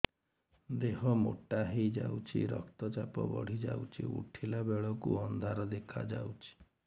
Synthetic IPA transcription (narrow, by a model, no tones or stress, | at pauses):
d̪eɦɔmo̰ʈaɦejd͡ʒa̰wt͡ʃʰḭɾɔkt̪ɔt͡ʃapɔbɔɽ̤id͡ʒa̰wt͡ʃʰiṵʈʰilabeɭɔkuɔnd̪ʱaɾɔd̪ekʰa̰d͡ʒawt͡ʃʰi̥